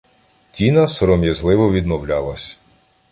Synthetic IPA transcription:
tʲinɐsɔɾɔmjɐzlˠɪʋɔʋʲid̪mɔwlʲɑlˠɐsʲ

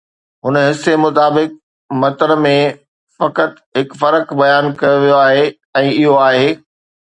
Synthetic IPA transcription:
ɦʊnɦɪsːemʊt̪aːbɪk̚ | mɐt̪əɾəmẽ | fɐkət̪ | ɦɪkfɐɾəkbɐjaːnkɐjoʋijoaːɦeː | ɛ̃ːɪɦoaːɦeː

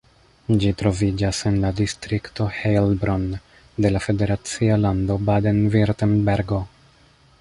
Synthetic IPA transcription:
d͡ʒitɾo̞vid͡ʒase̞nladistɾikto̞helbɾon | de̞lafe̞de̞ɾat͡sialando̞badenviɾtenbeɾɡo̞

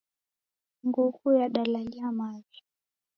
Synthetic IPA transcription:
ŋɡuhujaɗalaliamavi

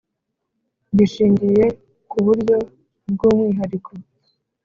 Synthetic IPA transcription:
ɡiʃiːɲɟije̞ | kuβuɾɟo̞ | bɡuːmŋiːɦaɾikʰo

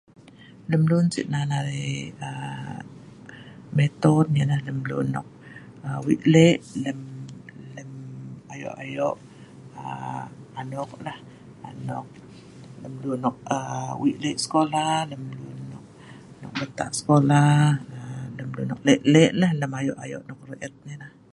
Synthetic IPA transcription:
ləmlunsḭʔnanaɾiə | met̪ɔtjəlahləmlṵnːɔ̰k̚ | əwḭʔ̪lɛʔləmləmajɔ̰ʔa̰jɔʔ | ə̰ | anɔklah | a̰nɔk̚ | ləmlunɔk̚əwiʔleʔsə̥kolaləmlunːɔk̚ | nɔ̰k̚bət̪a̰ʔsə̥kolaələmlṵnɔk̚leʔlɛʔlahləmajɔʔajo̰ʔnɔk̚reʔət̪̚ɲilah

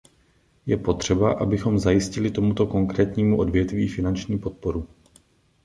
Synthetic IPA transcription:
jɛpo̞t̪r̝̥ɛbaʔa̰bɪxo̞mzajɪscɪlɪt̪o̞mut̪o̞ko̞ŋkɾɛːt̪ɲiːmuʔo̞dvjɛt̪viːfɪnant͡ʃɲiːpo̞t̪̚po̞ɾu

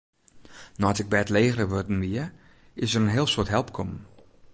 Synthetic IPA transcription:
nɔtɪk̚bɛtleːxərəʋordn̩ʋiə | ɪsərənɦɪəlˠsoətɦɛlˠpkʰɔmn

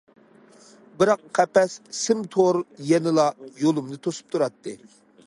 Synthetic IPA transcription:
bɨɾɑqqʰːæpɛssɪmt̪ʰoɾjɛnɨlˠɑjolˠumnɨt̪ʰosu̥p̚t̪ʰuɾɑt̪ʰːɨ

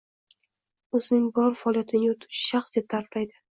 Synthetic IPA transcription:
ɵzɪnɪŋbɒɾfaɒlˠijat̪ʰɪnʲɪot̪ʰɪ̥ʃɪ̥ʃaχsd̪e̞p̚t̪ʰaɾplajd̪ɪ

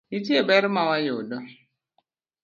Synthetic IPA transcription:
itebɛɾmawajʊdɔ

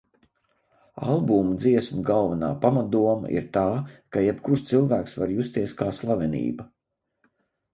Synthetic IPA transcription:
a̰lˠbumd̪ziɛsmaɡalˠvɐna̰ːpamat̪̚d̪uɔma̰ʔḭɾt̪aːkajɛpkuɾst̪silˠvæːksvaɾjust̪iɛskaːslˠavʲɛnḭːbɐ

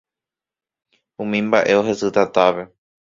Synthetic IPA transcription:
ũmĩmbaʔe̞o̞ɦe̞sɨt̪at̪aʋe̞

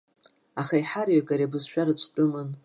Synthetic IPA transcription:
aχajħarjaɡʼaɾebɨzʃᶣaɾɨt͡ʃʷʰʼt͡pʷʼʊmɨn

